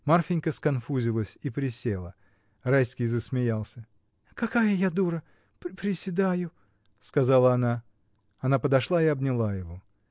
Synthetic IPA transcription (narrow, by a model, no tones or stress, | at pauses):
marfʲɪnʲkəskɐnfuzʲɪlˠəsʲipɾʲɪsʲelˠə̰ | rajskʲɪjzəsmʲɪjalˠsʲə | kɐkajəjad̪uɾə | pɾʲɪsʲɪd̪ajʊ | skɐzalˠəɐna | ɐnapəd̪ɐʂlˠaɪɐbnʲɪlˠajɪvo̞